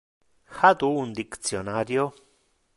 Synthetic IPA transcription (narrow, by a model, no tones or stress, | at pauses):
xad̪uund̪ikt͡sjonaɾjo